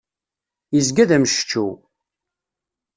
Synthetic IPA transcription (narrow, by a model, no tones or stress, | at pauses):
jəzɡæðæməʃə̥t͡ʃːṵ